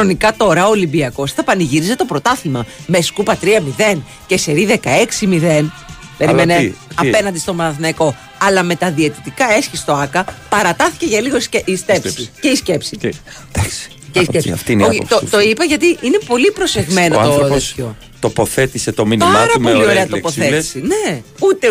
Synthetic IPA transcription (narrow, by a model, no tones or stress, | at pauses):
nonikɐt̪o̞ɾɐoːlimbiɐko̞st̪ɐpɐniʝiɾize̞t̪o̞pɾo̞t̪ɐθimɐme̞skupɐt̪ɾiɐmiðe̞n | ce̞se̞ɾiðe̞kɐe̞ksimiðen | peɾimeneɐpe̞nɐnd̪ist̪omɐθnɐiko̞ | ɐlɐme̞t̪ɐðie̞t̪it̪ikɐe̞sçist̪oɐkɐpɐɾɐt̪ɐθi̥ceʝɐliɣoseist̪epsiceisce̞psi | d̪̥ɐks | ceiskesft̪inoot̪o̞ipɐʝɐt̪iʔine̞po̞lipɾo̞se̞ɣme̞not̪oeço | t̪opoθet̪iset̪ominɐɾɐmpolioɾeɐt̪opoθeti̥seneut̪e